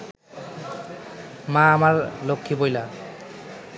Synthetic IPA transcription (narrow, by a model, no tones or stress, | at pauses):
mãːmaɹlokʰːibojla